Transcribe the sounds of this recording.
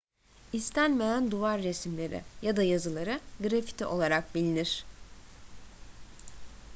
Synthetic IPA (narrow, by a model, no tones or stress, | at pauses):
ist̪ʰænme̞jænd̪uvaɾːesmlʲe̞ɾɪ̰jad̪ajazɯlˠaɾɯɡɾafi̥t̪ʰiʔo̞lˠaɾak̚bilʲiniɾ̥